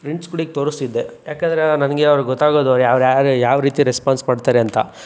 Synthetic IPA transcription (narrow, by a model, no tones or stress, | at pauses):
pɾeɳʈskuɽik̚t̪oːɾust̪id̪ːe̞jaːkend̪ɐɾenɐnɐɡeɐʋɾuɡɔt̪ːaːɡo̞ːd̪oɾjaːʋɾjaɾjaːʋɐɾiːt̪iɾespaːnsmaːɖt̪aːɾeɐnt̪ɐ̰